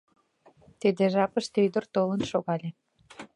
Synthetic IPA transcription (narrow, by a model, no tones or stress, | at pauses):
t̪id̪eʒɑpəʃt̪øjd̪ərt̪olənʃoɣɑlʲe